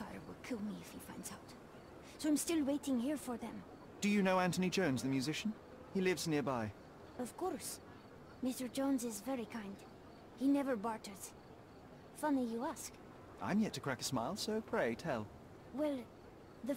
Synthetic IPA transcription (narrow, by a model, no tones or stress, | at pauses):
faə̰˞wɪ̰lˠkʰɪlˠmiɪfhifãɪ̃ndz̥aʊt | soʊãɪ̃mstɪlˠweɪɾɪ̃ŋhiɹfə˞ðɨ̃m | d̥ɨjɨnoʊæ̃ntɨnid͡ʒõʊ̃nzðɨmjʉzɪʃn̩ | ilɪvznɪɹbaɪ | ʌv̥kʰɔɹs | mɪstə˞d͡ʒɑ̃nzɪzvɛɹikʰãɪ̃nd̥ | hinɛvə˞bɑɹtɨs | fʌnijɨæsk | ʔã̰ɪ̃mjɛtʰɨkʰɹ̥ækə̥smaɪlˠsoʊpʰɹ̥eɪtʰɛlˠ | wɛlˠ | ðɨ